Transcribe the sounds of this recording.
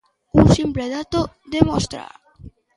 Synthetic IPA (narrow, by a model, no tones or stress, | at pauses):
unsimpleðat̪o | d̪emost̪ɾa̰